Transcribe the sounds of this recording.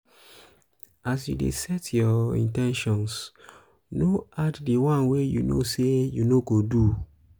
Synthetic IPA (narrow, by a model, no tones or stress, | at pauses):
asjṵdḛsɛtʰjɔḭ̃ntɛ̃nʃɔ̃ns | noaddiwãnwejṵno̰sejunoɡodu